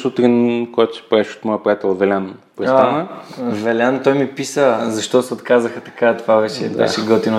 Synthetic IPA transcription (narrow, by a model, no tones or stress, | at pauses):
sut̪ɾinkojat̪ʊ̥si̥pɛʃo̥t̪mɔjəpɾojat̪ɛlˠovɛlʲan | pɾɛsaanəvɛlʲant̪ɔjmipisəzɐʃt̪ɔsɛot̪kazəxət̪ɐ̥kat̪vavɛt͡ʃɛ̰bɛ̰ʃɛɡəlˠt̪ino